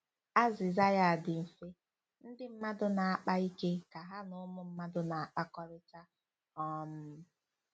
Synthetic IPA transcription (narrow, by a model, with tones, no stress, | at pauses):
a˦zɪ˨za˦ja˨a˨dɪ˨m̩˨fe˦ | n̩˦dɪ˦m̩˦ma˦dʊ˦na˨a˦k͡pa˦i˦ke˦ka˨ɦa˦nʊ˦ʊ˦mʊ˦m̩˦ma˦dʊ˦na˨a˨k͡pa˦kɔ˦ɾɪ˦ta˦ | ɔ˦m̩˦